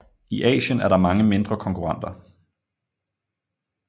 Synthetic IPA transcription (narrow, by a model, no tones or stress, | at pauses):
iʔɛ̰ːɕənæɐɾɑ̈mɑ̈ŋəme̝nd̥ʁɐkʰɒ̽ŋkʰuʁɑ̈n̰d̥ɐ